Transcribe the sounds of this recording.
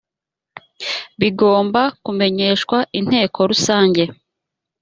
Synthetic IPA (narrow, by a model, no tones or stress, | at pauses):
βiɡo̞ːmbakume̞ɲe̞ːʃkwaʔin̥he̞ːko̞ɾusaːɲɟe̞